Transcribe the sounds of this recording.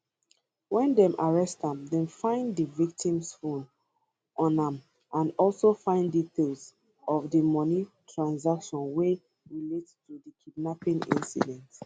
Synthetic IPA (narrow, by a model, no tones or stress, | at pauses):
wɛ̃ndɛ̃mʔaɹɛstãmdɛ̃mfãɪ̃ndəvik̚tʰĩmsfõn | ʔɔ̃nãm | ʔãnɔlsofãɪ̃nditʰels | ɔvdəmɔnitʰɹãnzakʃɔ̃nwe | ɹilettudəkʰidnapĩnḭ̃nsḭdɛ̃nt